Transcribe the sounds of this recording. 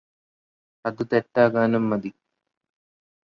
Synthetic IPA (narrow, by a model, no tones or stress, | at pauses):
ɐðɨt̪eʈːaːɣaːnumːɐd̪i